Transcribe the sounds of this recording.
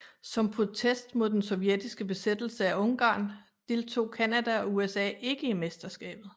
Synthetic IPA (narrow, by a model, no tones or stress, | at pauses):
sɒ̽mpʰʁo̝t͡sʰesd̥mo̝ð̞̰ˠd̥ensɒ̽ʊjed̥isɡ̥əb̥e̝sed̥l̩səæɔ̽ŋɡ̥ɑ̰̈ːn | d̥e̝lt͡sʰo̝̰ːkʰænæd̥æɒ̽uesɛ̰ːe̝ɡ̥əime̝sd̥ɐsɡ̥ɛ̰ːb̥ð̞̩ˠ